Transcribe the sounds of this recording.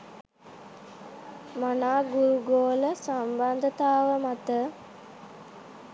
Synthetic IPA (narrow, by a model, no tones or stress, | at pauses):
manaːɡuɾuɡoːləsamband̪ʱət̪aːʋəmat̪ə